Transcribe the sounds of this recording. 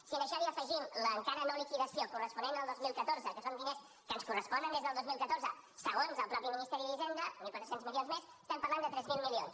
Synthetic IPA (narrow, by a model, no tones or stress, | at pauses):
siənəʃɔiəfəʒimləːŋkaɾənolikiðəsijokurəspunenəlˠd̪ozmilˠkət̪oɾzəkəsond̪ines | kənskurəspɔnd̪ənd̪ezðəlˠd̪ozmilˠkət̪oɾzə | saɣonzəlˠpɾɔpiminist̪ɛɾiðizend̪ənikwat̪ɾəsenzmilionzmesəst̪ɛmpəɾland̪ət̪ɾɛzmilˠmilions